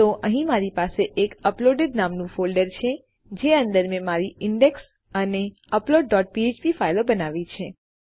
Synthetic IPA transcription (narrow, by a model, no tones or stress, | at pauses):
t̪oʔəɦĩmaɾipaseʔekəploɖeɖ̪namnũfolɖəɾt͡ʃʰe | d͡ʒeə̃nd̪əɾmẽmaɾiɪɳɖeks | əne | əploɖ̚ːɔʈ̚piet͡ʃpifailobənaʋit͡ʃʰe